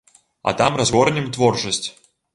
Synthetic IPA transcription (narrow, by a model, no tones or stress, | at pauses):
ɐ̰t̪amrazvɔɾnʲɛmt̪vɔrt͡ʂɐsʲt͡sʲ